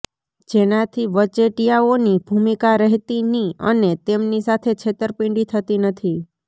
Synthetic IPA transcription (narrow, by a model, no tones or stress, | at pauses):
d͡ʒenat̪ʰiʋət͡ʃeʈijaonibʱumikaɾɛɦt̪iniə̰net̪emnisat̪ʰet͡ʃʰet̪əɾpĩɳɖit̪ʰət̪inət̪ʰi